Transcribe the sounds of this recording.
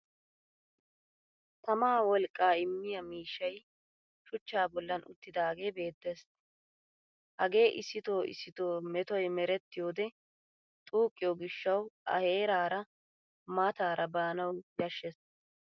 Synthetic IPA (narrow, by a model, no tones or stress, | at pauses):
t̪ɐmaːwɔlkʼːaːɪmːɪjɐmiːʃːɐj | ʃʊt͡ʃːaːbɔlːɐnʊ̰t̪ːɪd̪aːɡe̞ːbe̞ːd̪ːes | hɐɡe̞ːʔɪsːɪt̪o̞ːɪ̰sːɪt̪o̞ːmɛt̪ɔjmɛɾɛt̪ːɪjo̞ːd̪ɛ | t̪ʼuːkʼːɪjoːɡɪʃːɐwʔɐ̰he̞ːɾaːɾɐ | mat̪aːɾʔɐbaːnɐwjɐʃːɛs